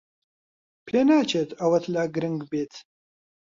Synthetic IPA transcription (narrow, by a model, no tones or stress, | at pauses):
pʰeːnaːt͡ʃʰeːt̪ʰɐwɐt̪ʰlaːɡɾɨŋɡbeːt̪ʰ